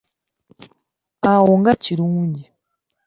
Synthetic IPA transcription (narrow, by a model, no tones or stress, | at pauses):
awoŋɡaciɾuːɲɟi